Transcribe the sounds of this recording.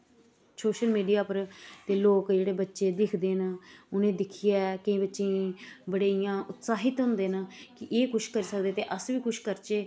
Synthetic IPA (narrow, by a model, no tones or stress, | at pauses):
soːʃəlmiːɖijaːpəɾt̪eːloːkd͡ʒeːɽeːbətːʃeːd̪ɪkʰd̪eːnʊnẽːd̪ɪkʰijɛːkəĩːbətːʃĩːbəɽeːijãːʔʊt̪saːɦɪt̪ɦʊ̃nd̪eːnəkɪʔeːkʊʃkəɾiːsəkd̪eːt̪eːʔəsʋiːkʊʃkəɾt͡ʃeː